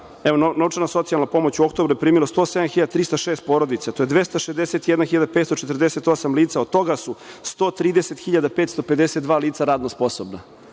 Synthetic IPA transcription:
eʋo̞nonauʈ͡ʂanaso̞t̪sialnapo̞mot͡ɕuokt̪obɾujepɾiːmilost̪o̞ːsed̪amxiʎad̪at̪ɾiːst̪aʃeːst̪̚poɾo̞d̪it̪sat̪o̞jed̪ʋe̞st̪aʃezd̪eset̪jed̪naxiʎad̪apet̪st̪ot͡ʃet̪r̩d̪eset̪o̞samliːt̪saod̪̚t̪o̞ɡasust̪o̞t̪ɾiːd̪eset̪xiʎad̪apet̪st̪o̞pe̞d̪eset̪d̪ʋaːliːt̪saɾaːd̪nospo̞sobna

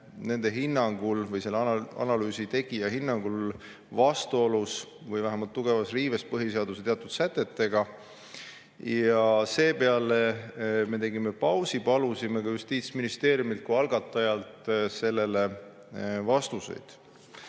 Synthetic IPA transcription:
ne̞nd̪̥eɦinːɑŋɡ̥ulvɤjse̞lːɑ̰nɑlyːsit̪e̞ɡ̥ijɑɦinːɑŋɡ̥ul | vɑst̪uo̞lus | vɤjvæɦæmɑlt̪ːuɡ̥e̞vɑsriːve̞s̚pɤɦise̞ɑd̪uset̪eɑt̪ːˑud̪̥sæt̪ːˑe̞t̪ːe̞ɡ̥ɑ | jɑse̞ːpe̞ɑleme̞t̪e̞ɡime̞pɑwsipɑlusime̞kɑjust̪iːt̪sminist̪e̞ːɾijumilt̪̚kuɑlɡ̥ɑt̪ːˑɑjɑlt̪ˑse̞lːe̞le̞ | vɑst̪usḛjd̪̥

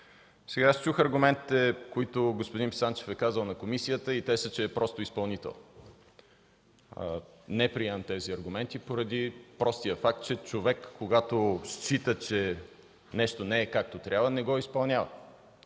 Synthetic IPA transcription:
sɛɡaast͡ʃuxɐɾɡʊmɛnt̪i̥t̪ɛkoit̪oɡospod̪inpi̥sant͡ʃɛ̥fɛkazəlˠnɐkomisijət̪əit̪ɛsət͡ʃɛːpɾʔɔst̪oispɐlˠnit̪ɛ̰lˠ | nɛpɾiɛmnt̪ɛziɐɾɡʊmɛnt̪ipoɾɐd̪ipɾɔst̪ijəfak̚t̪̚t͡ʃɛt͡ʃovɛkːoɡat̪ost͡ʃit̪ət͡ʃɛ | nɛʃt̪onɛːkak̚t̪ot̪ɾʲʔavənɛɡɔispɐlˠnʲavə̰

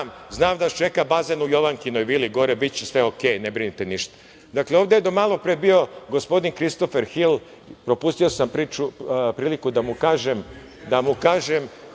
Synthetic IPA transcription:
mznaːmd̪aʃt͡ʃe̞kabazenujo̞ʋaŋkinojʋiliɡo̞ɾebit̪̚t͡ɕesʋeokeːjnebɾinit̪eniʃt̪ḁ | d̪akleo̞ːʋd̪ejd̪omalˠo̞pɾebio̞ɡo̞spo̞d̪inkɾist̪o̞feɾxil | pɾopust̪io̞sampɾit͡ʃupɾiːlikud̪amukaːʒem | d̪amukaːʒem

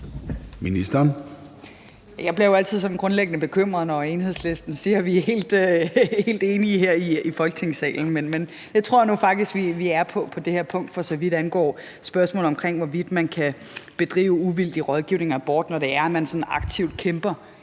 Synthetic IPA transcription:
minisd̥ɐn | jjɑ̈ɪb̥liɐjoæl̰t͡sʰið̞̰ˠsɒ̽n̩ɡ̥ʁɔ̽nleɡ̥ənəb̥e̝kʰøm̰ʁɐðˠnɒe̝nhe̝ðˠsle̝sd̥n̩siːɐʋihe̝̰ːld̥hhe̝̰ːld̥e̝ːniɦeɐ̰iifɒlɡ̥ət͡sʰe̝ŋsɛ̰ːln̩menmen | j̥et͡sʰʁo̝ɐ̰jnufɑ̈ɡ̥d̥isɡ̥ʋiʋiæɐpʰɒ̽pʰɒ̽d̥e̝heɐ̰pʰɔ̽ŋ̰d̥fɒ̽sɒ̽ʋid̥ænɡ̥ɒ̰ː | sb̥ɶɐsmɔ̰ːl̩ˠɒ̽mkʰʁeŋ̰ʋɒʋid̥mænkʰæ | b̥e̝d̥ʁḭːʊuʋil̰d̥iʁɒð̞ˠɡ̥iʊne̝ŋɐæb̥ɒːd̥nɒɾe̝æɐæmænsɒ̽n̩ɑ̈ɡ̥̚t͡sʰiʊd̥̚kʰemb̥ɐ

